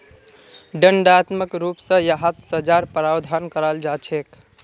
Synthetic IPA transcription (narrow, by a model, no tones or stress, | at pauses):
ɖəɳɖat̪məkɾupsə̃jaɦat̪səd͡ʒaɾpɾawd̪ʱankəɾald͡ʒat͡ʃʰek